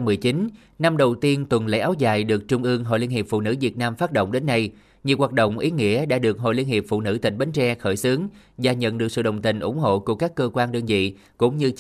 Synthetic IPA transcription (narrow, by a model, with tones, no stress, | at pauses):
mɨ˨˩əjt͡ɕi˨˦n | na˧mɗə˨˩wt̪i˧ənt̪wə˨˩nlḛ˧˥ʔaː˨˦wzaː˨˩jɗɨ˨˩ək̚t͡ɕʊ˧ŋ͡mʔɨ˧əŋɦo̰˧˨li˧nhi˨˩p̚fṵ˧˨nɨ˧˥vi˨˩ət̚naː˧mfaː˦˥t̚ɗo̰˧˨wŋ͡mɗe˨˦nːa˧j | ɲi˨˩əwaː˨˩t̚ɗo̰˧˨wŋ͡mʔi˨˦ŋḭ˧˥əɗa̰ː˧˥ɗɨ˨˩ək̚ɦo̰˧˨li˧ənhi˨˩əp̚fṵ˧˨nɨ̰˧˥t̪ï˨˩ŋ̟ɓa˨˦ŋ̟t͡ɕɛ˧xəː˧˩jsɨ˨˦əŋzaː˨˩ɲə̰˧˨nɗɨ˨˩ək̚sɨ̰˧˨ɗə˨˩wŋ͡mt̪ï˨˩ŋ̟ʔʊ̰˧˩ŋ͡mɦo̰˧˨ku˧˩əkaː˦˥kːəː˧kwaː˧nɗəː˧nvḭ˧˨ | kʊ̰˧˥ŋ͡mɲɨ˧